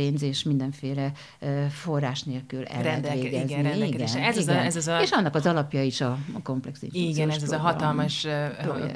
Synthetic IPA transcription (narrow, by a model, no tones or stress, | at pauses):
eːɲzeːʃmind̪ɛɱfeːlɛ | fo̞rːaːʃneːlkylɛ̰lɾveːɡɛzniiɡɛnɛziɡɛzɛzeʃɒnːɒkɒzɒlɒpjɒiʃɒko̞mplɛksḭniɡɛnɛzzɦɒtɒlmɒʃo̰